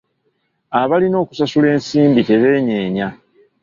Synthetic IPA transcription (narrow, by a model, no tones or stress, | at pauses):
aβalino̞ːku̥sasule̞ːnsiːmbite̞βe̞ːɲe̞ːɲa